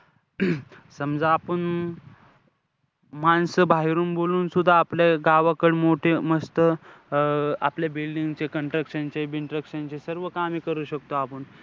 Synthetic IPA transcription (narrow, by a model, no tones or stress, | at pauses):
səmd͡zaːpəɳ | mansəbʱaɦiɾuːnboluːnsud̪ʱːaːpljaɡaʋakəɽmoʈʰeməst̪ə | a̰pljabilɖiŋɡt͡ɕekəɳʈɾəkɕənt͡ɕebiɳʈɾəkɕənt͡ɕesəɾʋəkamiːkəɾuːɕək̚t̪oapəɳ